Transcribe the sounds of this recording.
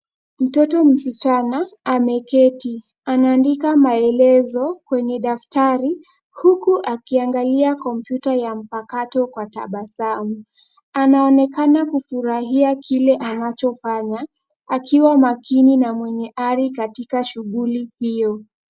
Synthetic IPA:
m̩tɔtɔm̩sit͡ʃanaːmɛkɛti | anaːndikamaɛlɛzɔkwɛɲɛɗaftaɾi | hukuʔakiaŋɡaliakɔmpjutajam̩pakatɔkwata̰ɓasamu | anaɔnɛkanakufuɾaɦiakʰilɛʔanat͡ʃɔfaɲa | akʰiwamakininamwɛɲɛʔaɾikatikaʃuɠulihijɔ

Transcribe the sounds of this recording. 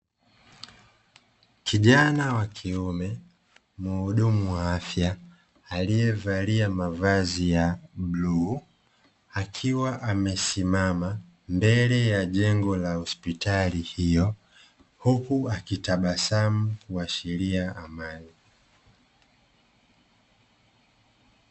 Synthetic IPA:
kʰiʄanawakʰiumɛ | muːɗumuwaafjaː | lijɛvaliamavazijablu | akʰiwaʔamɛsimama | mbɛlɛjaʄɛŋɡɔlahɔspitʰalihijɔ | hukuakitaɓasamukuaʃiliaʔamani

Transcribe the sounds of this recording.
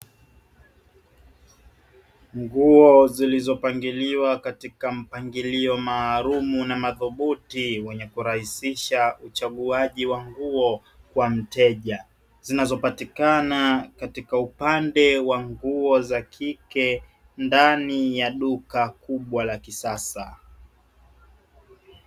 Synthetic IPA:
ŋɡuɔzilizɔpaŋɡiliwakatikam̩paŋɡiliɔmaːɾumunamaðuɓutiwɛɲɛkuɾahisiʃaut͡ʃaɠuaʄiwaŋɡuɔ | kwam̩tɛʄa | z̥inazɔpatikanakatikaupandɛwaŋɡuɔzakʰikɛ | ndanijaɗukakuɓwalakisasa̰

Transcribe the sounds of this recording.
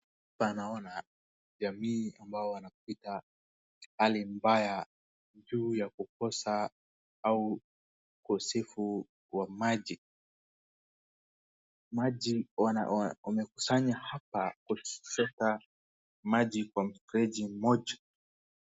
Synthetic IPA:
hapanaɔna | ʄamiːambaɔwanap̚ita | halimbaja | d͡ʒuːjakukɔsa | au | kɔsɛfu | wamaʄi | maʄiwa̰amɛkusaɲahapakut͡ʃɔta | maʄikwam̩tɾɛʄim̩mɔʄa

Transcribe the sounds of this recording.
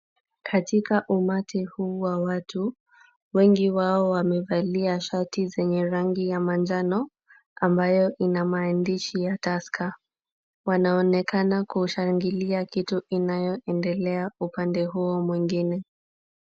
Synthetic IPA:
kʰatikaʔumatʰihuːwawatʰu | wɛŋɡiwaɔwamɛvaliaʃatizɛɲɛɾaŋɡijamand͡ʒanɔ | ambajɔʔinamaːndiʃijataskʰa | wanaɔnɛkanakuʃaŋɡiliakituʔinajɔʔɛndɛlɛaupandɛɦuɔmwiŋɡinɛ

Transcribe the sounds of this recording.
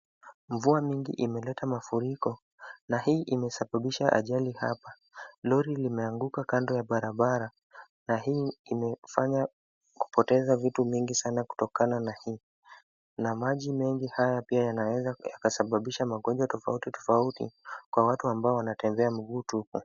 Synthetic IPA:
mvuamiŋɡḭʔimɛlɛtamafuɾikɔ | nahiːʔimɛsaɓaɓiʃaʔa̰ʄaliha̰pa | lɔɾilimɛaŋɡukakandɔjaɓaɾaɓaɾa | naɦiːmɛfaɲa | ku̥pɔtɛzavituviŋɡisanaku̥tɔkananahiː | namaʄimɛŋɡihajapiajanawɛzajakasaɓaɓiʃamaɠɔɲd͡ʒwatɔfa̰utitɔ̥fautḭkwawatuambaɔwanatɛmbɛam̩ɠuːtuku

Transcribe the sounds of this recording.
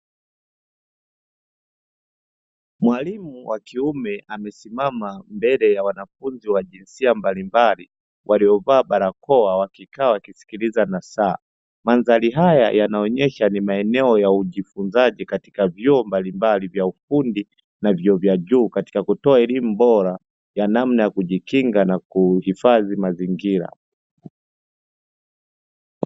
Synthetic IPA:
mwalimuwakiumɛamɛsimamambɛlɛjawanafunziwaʄinsiambalimbali | wʔaliɔvaːɓaɾakɔawakikaːwakisi̥kilizanasaː | manzaliɦaja̰janaɔɲɛʃanimaɛnɛɔjauʄifunzaʄikati̥kavjɔɔmbalimbalivjaufundi | navjɔvjaʄuːkati̥kakutɔaɛlimubɔɾa | janam̩najakuʄikiŋɡanakuhifaðimaziŋɡiɾa̰

